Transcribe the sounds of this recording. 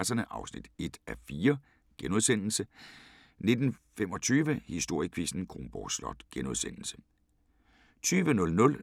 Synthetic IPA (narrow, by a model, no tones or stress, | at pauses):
sɐnəʔɑ̈ʊsnḭd̥e̝d̥æfiːɐ | ɡ̥enuð̞ˠsen̰l̩sə | ne̝d̥n̩femɒ̽t͡sʰyːʋəhisd̥o̝ɐ̰jəkʰʋisn̩kʰʁomb̥ɒ̰slɒ̽d̥ɡ̥enuðˠsen̰l̩sə̥ | t͡sʰyːʋənɔ̽lnɔ̽l